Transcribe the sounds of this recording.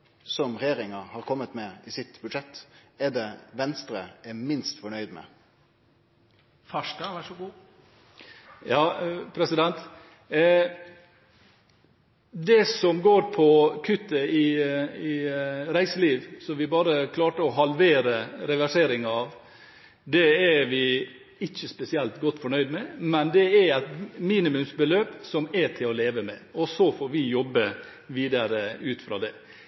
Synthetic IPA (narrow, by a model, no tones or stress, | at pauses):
sɔmɾɛjeːɾɪŋɑɾhɑːɾkʰɔmːət̪mɛɪsɪt̪bʉd̪ʂɛt̪ːæd̪ɛʋɛnst̪ɾə̰ɛmɪnst̪fɔɳœʏd̪mɛ̰ | fɑʂdɑʋæʈʂɔɡuː | jɑːpʰɾɛsɪd̪ɛnt̪ | d̪ɛsɔmɡoːɾpʰɔkʰʉt̪ːəɪɪɾæɪsəliːʋsɔmʋɪbɑːɾəkʰlɑːʈəɔɦɑlʋeːɾəɾɛʋæʂeːɾɪŋɑʋ | d̪ɛæɾʋɪ | ɪçːəspɛsɪɛlt̪ɡɔt̪ːfɔɳœʏd̪mɛmɛnd̪ɛæɾæɪt̪miːnɪmʉmsbəløːpsɔmɛʈʰɪlɔleːʋəmɛ̰ɔsɔfoːɾʋɪjɔbːə | ʋiːd̪ɑɾəʉːt̪fɾɑ̰ːd̪ɛ